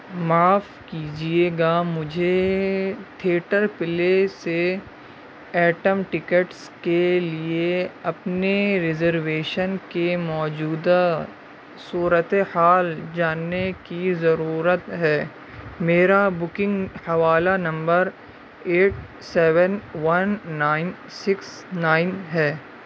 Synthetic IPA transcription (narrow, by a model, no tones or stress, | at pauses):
maːfkiːd͡ʒieːɡamʊd͡ʒʱe | t̪ʰeːʈəɾpɪlese | ɛːʈəmʈɪkəʈs | kelieɐpneɾɪzəɾʋeːʃənkemɔːd͡ʒuːd̪a | suːɾət̪ehaːld͡ʒaːnːekizɐɾuːɾət̪ɦɛː | meːɾabʊkɪ̃ŋɡhɐʋaːlanɐ̃mbəɾ | eːʈ̚ | sɛːʋənʋɐnːaːɪn | sɪks | naːɪnɦɛː